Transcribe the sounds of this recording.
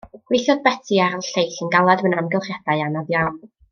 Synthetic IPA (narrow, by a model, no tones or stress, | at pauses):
ɡ̥wejθjɔðbɛtʰiaɾɔlˠɬejɬənɡalˠadmənamɡɛlˠχjadaɨanaðjawn